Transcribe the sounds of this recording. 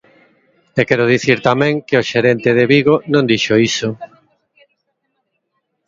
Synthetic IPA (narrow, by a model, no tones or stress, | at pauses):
ekɛɾʊð̞iθiɾt̪amɛ̃ŋkeoʃeɾent̪eð̞eβiɣonõnd̪iʃoiso